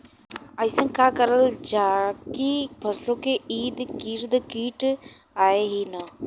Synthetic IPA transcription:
ɐjsə̃nkaːkəɾəld͡ʒaːkipʰɐslõːkeiːd̪kiːɾd̪əkiːʈ | aːeɦinə

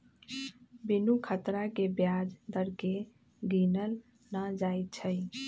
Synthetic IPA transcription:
binukʰət̪ɾakebjad͡ʒd̪əɾke | ɡinəl | nəd͡ʒajt̪̚t͡ʃʰəj

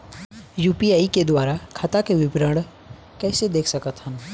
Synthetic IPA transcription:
juːpiaːiked̪waːɾakʰɐt̪akeʋɪbɾə̃ɽ | kɛːsed̪eːkʰsɐkət̪hən

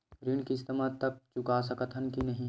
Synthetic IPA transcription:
ɾinkiɪst̪əmat̪ɐk̚t͡ʃʊkas̬ɐkət̪ʰənkinɐɦĩ

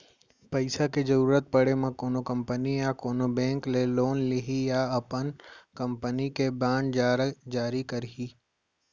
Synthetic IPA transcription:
pɐɪsaked͡ʒɐɾuːɾət̪̚pɐɽemãkoːnokɐ̃mpənijakoːnobɛ̃ːŋkleloːnliɦijaɐpənkɐ̃mpənikebãːɳɖd͡ʒaːɾd͡ʒaːɾikɐɾɦiː

